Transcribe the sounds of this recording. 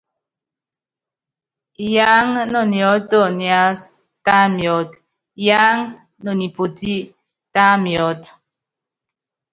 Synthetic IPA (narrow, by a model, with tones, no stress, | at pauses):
ja˦ŋnɔ˨njɔ˨˦tɔ˦˨nja˨˦s | ta˦mjɔ˨˦t | ja˦ŋ | nɔ˨ni˨po˨ti˦ | ta˦mjɔ˨˦t